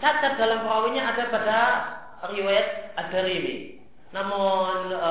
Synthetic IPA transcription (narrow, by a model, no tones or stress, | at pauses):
t͡ʃaɡad̥a̤lampɾawiɲaad̥a̤pada | riwajat̪̚ad̥a̤ɾimḭ | namʊn